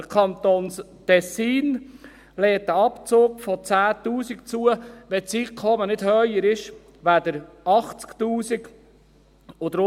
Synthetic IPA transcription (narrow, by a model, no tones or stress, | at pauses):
əkʰɑnt̪oːns | t̪ɛsiːn | lɛːt̚ːəɑpt͡soːkfɔt͡sæːt̪uːsikt͡suəʋɛt͡siːkʰɔmənɪd̥̪hœjəɾɪʃ | ʋæd̪əɾɑχt͡skt̪uːsik | ʊd̪ɾʊ